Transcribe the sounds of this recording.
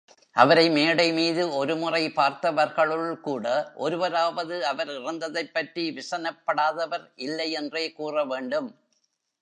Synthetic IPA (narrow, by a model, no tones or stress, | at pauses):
ʔɐʋɐɾɐɪmeːɽɐɪmiːðɯɔɾɯmʊrɐɪpaːɾt̪ɐʋɐɾɣɐɭɯɭkuːɽɐʔɔɾɯʋɐɾaːʋɐðɯɐʋɐɾɪrɐnd̪ɐðɐɪpːɐʈriʋɪsɐnɐpːɐɽaːðɐʋɐɾɪlːɐɪɛndreːkuːrɐʋeːɳɖɯm